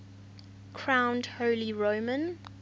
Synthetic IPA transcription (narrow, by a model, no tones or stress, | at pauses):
kʰɹ̥ãʊ̃ndhoʊliɹoʊmə̃n